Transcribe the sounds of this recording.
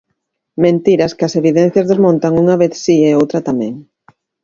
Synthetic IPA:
mẽnt̪iɾɐskɪɐseβiðɛn̟θjɐzðezmõnt̪ɐŋuŋɐβeθsieowt̪ɾɐt̪amɛ̃ŋ

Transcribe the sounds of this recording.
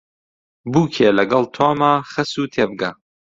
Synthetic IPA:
buːkʰelɐɡɐlˠt̪ʰoːmaːχɐsuːt̪ʰeːbɨɡa

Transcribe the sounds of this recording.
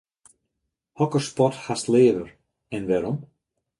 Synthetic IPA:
hɔkəɾspɔthast̪lɪːvʏɾ | ɛnvɛɾɔm

